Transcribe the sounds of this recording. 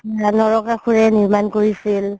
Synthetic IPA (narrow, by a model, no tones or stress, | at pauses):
anɔɹɔkaxʰuɹɛniɹmankoɹisil